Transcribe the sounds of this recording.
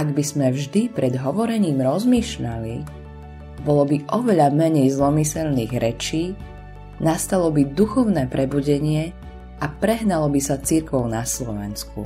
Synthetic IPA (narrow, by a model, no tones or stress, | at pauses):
ʔaɡbizmɛvʒd̪ipɾʔɛd̪ɦɔʋɔɾɛɲiːmɾɔzmiːʃʎali | bɔlɔbiʔɔʋɛʎamɛɲɛjzlɔmisɛlniːɣɾɛt͡ʃiː | nast̪alɔbid̪uxɔʊnɛːpɾʔɛbuɟɛɲɪɛ | apɾɛɦnalɔbisat͡siɾkɔʊnaslɔʋɛ̰nskṵ